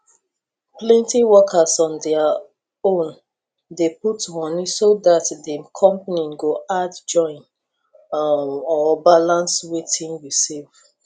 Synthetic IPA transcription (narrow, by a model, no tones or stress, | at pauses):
plɛ̃ntĩwɔkʰasɔ̃ndɛa | õn | deputmɔnisodatdikʰɔ̃mpaniɡoʔadd͡ʒɔ̃ɪ̃n | ɔbalãnswetʰĩnwisev̥